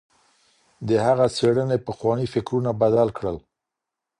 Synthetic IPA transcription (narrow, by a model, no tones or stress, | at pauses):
d̪əhaɣat͡seɽənepəxwɑnifɪkɾunabad̪alkɽəl